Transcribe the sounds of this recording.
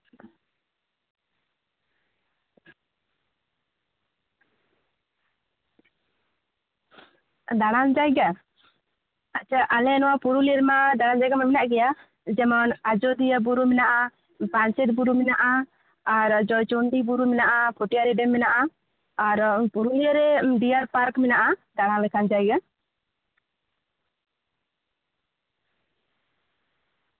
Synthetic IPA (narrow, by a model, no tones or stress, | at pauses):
d̪aɽand͡ʒajɡa | at͡ʃʰaʔalɛnɔwapuɾuliɾmad̪aɽand͡ʒajɡamamɛnaʔɡɛja | d͡ʒɛmɔnad͡ʒɔd̪ijabuɾumɛnaʔa | pant͡ʃɛt̪̚buɾumɛnaʔaː | ɾd͡ʒɔjt͡ʃɔnɖibuɾumɛnaʔapʰɔʈijaɾɛɖɛmːɛnaʔaː | ɾpuɾuliəɾɛɖiaɾpaɾkmɛnaʔad̪aɽãlɛkʰand͡ʒajɡa